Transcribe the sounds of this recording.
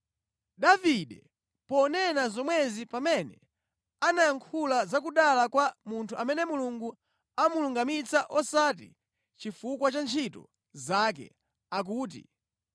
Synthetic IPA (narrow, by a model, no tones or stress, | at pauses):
ɗaviɗɛ | pɔnɛnazɔmwɛzipamɛnɛ | anajaŋkʰulazakuɗalakwamuntʰuamɛnɛmuluŋɡu | amuluŋɡamit͡saʔɔsatḭ | t͡ʃifukwat͡ʃant͡ʃʰitɔ̰ | zak̬ɛ̰ | ak̬uːt̬ḭ